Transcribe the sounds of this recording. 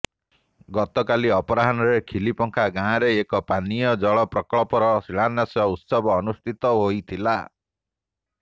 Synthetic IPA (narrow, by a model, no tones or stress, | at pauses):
ɡɔt̪ɔkaliɔpɔɾaɦanɔɾekʰilipɔŋkʰaɡãːɾeːkɔpanijɔd͡ʒɔɭɔpɾɔkɔɭɔpɔɾɔsiɭanːasɔut̪sɔbɔːnust̪ʰit̪ɔɦojt̪ʰila